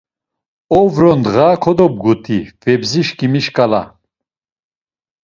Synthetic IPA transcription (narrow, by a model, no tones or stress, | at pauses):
ɔvɾɔnd̪ʁaːkʰɔd̪ɔb̚ɡut̪ʰiv̥ɛbziʃkʼimiʃkʼala̰